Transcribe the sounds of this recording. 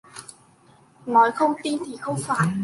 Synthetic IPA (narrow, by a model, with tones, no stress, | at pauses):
ŋɔ˨˩jxə˧wŋ͡mt̪i˧nt̪ʰi˨˩xə˧wŋ͡mfaː˨˩n